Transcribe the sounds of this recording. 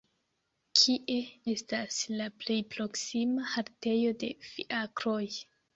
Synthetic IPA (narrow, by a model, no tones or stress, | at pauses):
kʰiʔe̞e̞staslaple̞jpɾo̞ksimahaɾte̞jo̞de̞fḭʔakɾo̞j